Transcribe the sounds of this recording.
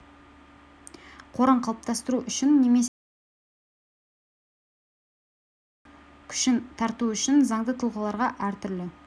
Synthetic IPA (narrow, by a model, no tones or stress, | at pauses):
qʰo̞ɾɑɴqʰɑlˠəp̚t̪ʰɑst̪əɾuʔʏʃɪnːeme̞ | kʲʰʏ̥ʃɪnt̪ʰɑɾt̪uʏʃɪnzɑɴd̪ət̪ʰəlˠʁəlˠɑɾʁɑʔæɾt̪ʰʏɾlɪ